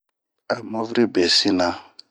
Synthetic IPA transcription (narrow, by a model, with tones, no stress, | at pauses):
a˨mɔ˦vɾi˦bɛ˨si˦na˦